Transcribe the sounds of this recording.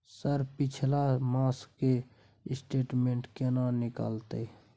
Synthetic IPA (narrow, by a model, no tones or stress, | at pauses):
səɾpɪt͡ʃʰlamaːskːe | ɪsʈeːʈmẽːɳʈkenanɪka̰ːlt̪e